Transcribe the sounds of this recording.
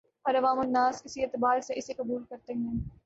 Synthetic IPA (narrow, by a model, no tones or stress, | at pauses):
ɔɾɐʋaːmʊnːaːskɪsieːt̪ɪbaːɾseʔɪsekɐbuːlkɐɾt̪eɦɛ̃ː